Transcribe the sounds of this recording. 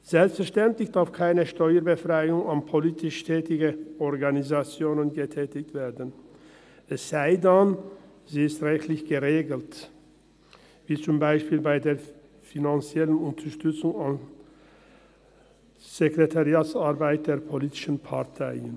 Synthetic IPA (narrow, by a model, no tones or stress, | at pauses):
z̥ɛlpstfɛɐʃtɛntlɪçd̥aɐfkʰaɪnəʃtɔʏəɾbəfʁ̥aɪʊŋanpʰoliːtʰɪʃtʰɛːtɪɡəʔɔʁɡanizat͡sjoːnənɡətʰɛːtɪçtv̥eːɐdən | ʔɛsz̥aɪdan | ziːɪstʁɛçtlɪçɡ̥əʁeːɡl̩t | viːt͡sʊmbaɪʃpiːlbaɪdeːɐ | finant͡sjɛlənʊntʰəʃtʏt͡sʊŋan | z̥ekʁetʰaʁiaːtt͡saʁbaɪt̚d̥eːɐpʰoliːtɪ̥ʃən̩pʰaʁtʰaɪən